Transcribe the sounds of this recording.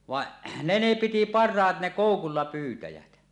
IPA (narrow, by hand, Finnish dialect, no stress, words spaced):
ʋɑʔ ne ne piti pɑrˑɑːt ne koˑukulːɑ pyːtæjæt